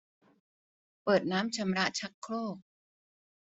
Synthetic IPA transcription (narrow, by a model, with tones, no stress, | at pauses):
pɤː˨˩t̪̚naː˦˥mt͡ɕʰa˧mɾa˦˥ʔt͡ɕʰa˦˥kʰːloː˥˩k̚